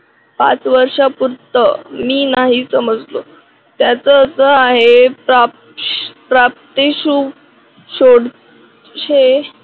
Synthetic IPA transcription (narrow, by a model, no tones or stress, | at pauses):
pa̰t͡sʋəɾʂapuɾt̪əmiːnaɦisəməd͡zlo̰ | t̪jat͡səːsəaɦepɾa | pɾap̚t̪eɕuː | ɕoɽ | ɕe